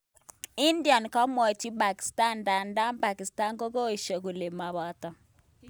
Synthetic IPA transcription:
i˦ndi˨a˨nkɔ˦mɔ˨ti˦ba˨ki̥˨sta˦˨nda˨nda˦mpa˨ki˨sta˦ŋko˦ko˦i˨ʃo˨ku˨le˨ma˨βa˨tɔ˨

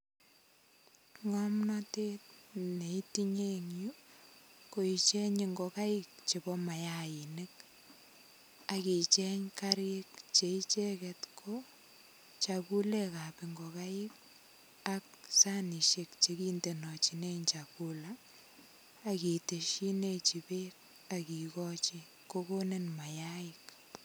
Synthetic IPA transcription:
ŋɔ˦mnɔ˦te˦t̚ne˨i˦ti˦ɲe˦ŋju˦ | ko˨it͡ʃɛ˦ɲi˨ŋɡɔ˨ka˦ɪk̚t͡ʃe˨bɔ˦ma˨jai˨ne˦k | a˨ki˨t͡ʃɛ˦ɲka˦ɾekt͡ʃe˨it͡ʃe˦kɛ˨tkʰo | t͡ʃa˨ku˦le˦ka˨piŋɡɔ˨ka˦ɪ˦k̚ | ak̚sa˦ni˨ʃek̚t͡ʃe˨ki˦nde˨nɔ˨t͡ʃi˨ne˦ɲt͡ʃaku˦la˨ | ki˨te˨ʃi˦ne˦t͡ʃi˨pe˦k̚ | a˨ki˨kɔ˦t͡ʃi˦ | ko˦ko˦ne˦nma˨ja˦ɪk̚

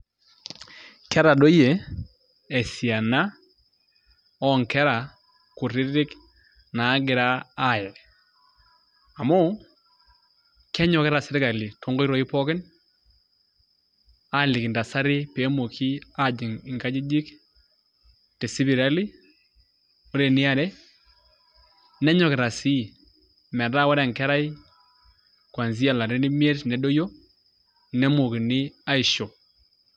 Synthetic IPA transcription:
kɛ˦ɾa˨do˦je˨ | e˨si˨a˨na˦ | ɔ˦ŋkɛ˦ɾa˨ | ku˨ɾɪ˦ɾɪ˦k | na˨˦ɡɪ˨ɾaː˦˨jɛ˨ | a˨mo˦ | kɛ˦ɲɔ˨kɛ˦ɾa˨sɛ˨ɾɪ˦ka˨li˨to˦ŋɡɔ˦i˦ɾɔ˨i˦pɔ˦kɪ˦n | a˦lɪ˨knda˨sa˦ɾɪ˦pe˨˦mo˨kʰi˦a˨d͡ʒɪ˨ŋɪ˨ŋɡa˦d͡ʒɪ˦d͡ʒi˦k | tɛ˨si˦bi˨ɾa˦li˦ | o˦ɾe˨nɪ˦a˨ɾɛ˦ | nɛ˦ɲɔ˨kɪ˨ɾa˨si˦ | mɛ˨da˦wɔ˦ɾɛ˨ŋkɛ˦ɾa˦j | kwa˨nzi˦a˨la˨ɾi˦ni˦m˦e˦tnɛ˨do˦jo˦ | nɛ˦mo˨kɪ˨nɪ˦a˦ɪ˨ʃo˨

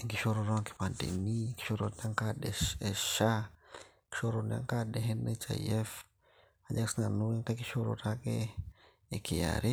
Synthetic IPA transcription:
ŋɡi˨ʃo˦ɾo˧ɾo˦ŋki̥˨pa˨ndḛ˨mi˦ki̥˦ʃo˦ɾo˨na˦ŋka˦ɗe˨e˨ʃa˦ | ki̥˨ʃo˦ɾona̰˦ŋka˦ɗe˨ɦe˦ne˦t͡ʃa̰˨je˦f | a˨ɲa˦ksi˦na˨nu˦i˦ŋka˦ki˦ʃo˦ɾo̰˨ɾa˦keː˦˨ | ki˨ja̰ɾi˦

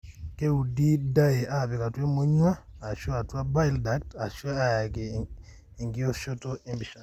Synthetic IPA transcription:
ke˦u˨di˦da˦je˨ʔa˦˨βe˨ka˨twe˦mo˦ɲwaː˦˨ʃo˦a˨twa˦ba˦jlda˨k̚ta˨ʃa˦a˦ja˨ɡeː˨ | ŋɡi˦o˦ʃo˦to˦ʔe˦mbi˨ʃa˨

